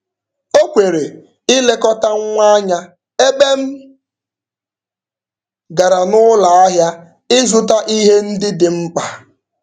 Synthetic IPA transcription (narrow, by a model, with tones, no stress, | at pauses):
o˦kʷe˨ɾe˨ | ɪ˦le˦kɔ˦ta˦ŋ˦ŋʷa˦ɲa˦ | e˦be˦m̩˦ | ɡa˨ɾa˨nʊ˦la˨a˦ɦja˦ | ɪ˦zʊ˦˨ta˦ʔi˦ɦe˦n̩˦dɪ˦dɪ˨ŋ͡m̩˦k͡pa˨